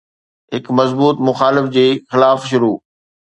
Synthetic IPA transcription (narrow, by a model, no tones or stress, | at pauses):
ɦɪkmɐzbuːt̪mʊxaːlɪfd͡ʑeːxɪlaːfʃʊɾuː